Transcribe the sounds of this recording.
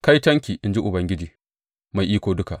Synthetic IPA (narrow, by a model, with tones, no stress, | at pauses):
ka˦jtɐ˦ŋkʲiː˨ʔɪ˨nd͡ʒi˦ʔʊ˨bɐ˦ŋɡʲɪ˦d͡ʒiː˨ | ma˨jʔiː˦kʷoː˨dʊ˦ka˨ʔ